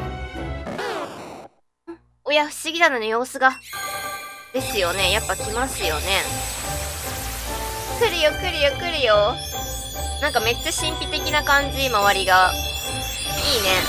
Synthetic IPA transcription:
ɯ̟̃ | ojaɸɯ̟̥ɕiɡʲid̪anonejo̞ːsɨɡa | d̪̥e̞sɨjo̞ne̞japːakʲimasɨjo̞ne̞ | kɯ̟ɾɯ̟jo̞kɯ̟ɾʲi̟jokɯ̟ɾɯ̟jo̞ | nãŋkame̞t͡ɕːaɕĩmpʲit̪e̞kʲinakãɲ̟d͡ʑimaβaɾʲiɡa | iːne̞

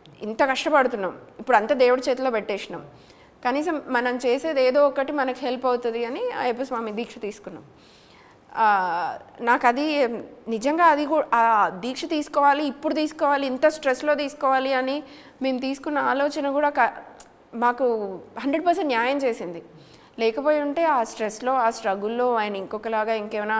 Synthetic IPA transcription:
int̪ɐkɐʂʈɐpɐɽut̪unːa̰ːmipːuɽɐnt̪aːd̪eːwuɽɐt͡ʃeːt̪loːbɛʈːeːʂinaːm | kɐniːsɐmːɐnɐmt͡ʃe̞ːse̞ːd̪eːd̪o̞ːɔkːɐʈimɐnɐkiɦeːlpɐwut̪und̪iɐnḭep̬ɐsʋaːmid̪iːkʂɐt̪iːsu̥kunːa̰ːm | naːkɐd̪inid͡ʒɐŋɡaːɐd̪ikud̪iːkʂɐt̪iːsu̥kɔːʋaːliːpːuɽut̪iːsu̥kɔːʋaːliːnt̪ɐsʈɾeslo̞ːt̪iːsu̥kɔːʋaːliɐni | me̞ːmt̪̬iːsu̥kunːɐaːlo̞ːt͡ʃɐnɐkuːɽaːkɐ | maːkuɦɐɳɖɾeɖ̚pɐɾseɳʈnjaːjɐmt͡ʃe̞ːsind̪i | lɛːkɐpoːjuɳʈe̞ːaːsʈɾeslo̞ːaːsɾɐɡulːo̞ːaːjɐnɐiŋkɔkɐlaːɡaːiŋkeːʋɐnaː

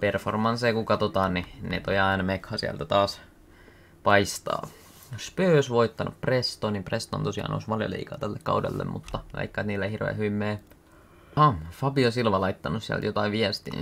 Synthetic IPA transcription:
performɑnseːkukɑt̪ot̪ɑːnninḛt̪ojɑinɑmekhɑsiæ̰lt̪æt̪ɑːs | pɑist̪ɑ̰ː | jospøːosʋoit̪ːɑnʔṵpprest̪oːnimprest̪o̰nt̪osiɑ̰ːno̰usʋɑljo̰lḭːkɑːt̪ælːekkɑ̰udḛlːḛmmut̪ːɑʋɑ̰ikːɑt̪niːlːæehirʋḛːhyʋimːeː | hɑfɑpiosilʋɑlɑit̪ːɑnussiæ̰lt̪jot̪ɑiʋʋiæst̪ḭ

